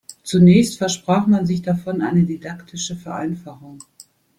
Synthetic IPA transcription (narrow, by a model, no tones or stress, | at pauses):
t͡sunɛːçstfɛɐʃpʁ̥aːχmanzɪçd̥afɔnʔa̰ɪnədidaktʰɪʃəfɛɐʔa̰ɪnfaχʊŋ